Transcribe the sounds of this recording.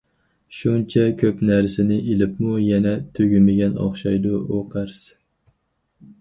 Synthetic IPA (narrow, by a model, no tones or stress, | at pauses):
ʃunt͡ʃʰɛkʲʰøpnæɾsɪnɪʔelɪpmujɛnɛt̪ʰøɡʲymɪɡʲɛnɑ̰χʃɑjd̪uʔoqʰæɾs